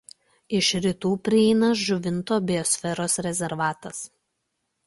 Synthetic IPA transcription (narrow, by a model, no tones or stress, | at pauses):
ɪʃɾʲɪt̪uːpʲɾʲɪɛɪnɐʒʊʋʲɪnt̪oːbʲɪjɔsʲfʲɛɾoːsɾʲɛzʲɛɾʋɑːt̪ɐs